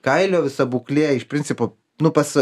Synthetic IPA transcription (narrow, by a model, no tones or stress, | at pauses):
kɐɪlʲoːʋʲɪsɐbuːklʲeːɪʃpʲɾʲɪnʲtsʲɪpoː | nʊpɐs